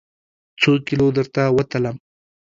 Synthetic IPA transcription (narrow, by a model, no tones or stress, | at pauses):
t͡sokɪlod̪əɾt̪awət̪ələm